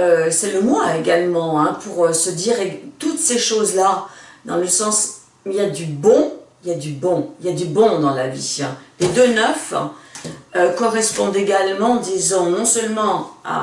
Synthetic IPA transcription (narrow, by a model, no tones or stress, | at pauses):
øsɛləmwaeɡalmɑ̃ɛ̃pʰuʁøsəd̪iʁet̪ut̪seʃozlad̪ɑ̃ləsɑ̃s | mɛljad̪ybɔ̃iljad̪ybɔ̃iljad̪ybɔ̃d̪ɑ̃laviɛ̃led̪ønœf | økɔʁɛspɔ̃d̪eɡalmɑ̃d̪izɑ̃nɔ̃sœlmɑ̃a̰